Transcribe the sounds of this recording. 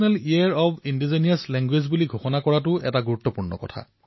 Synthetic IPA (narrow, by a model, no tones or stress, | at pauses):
nɛlijaɹɔbindizanijaslɛŋɡwezbuliɡʱoxɔnakɔɹatʊʔɛ̰taɡuɹutːɔpuɹnɔ̰kɔ̰tʰa̰